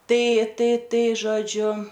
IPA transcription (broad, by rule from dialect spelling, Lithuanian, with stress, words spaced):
ˈtɐɪ ˈtɐɪ ˈtɐɪ ʒoːˈd͡ʒʲʊ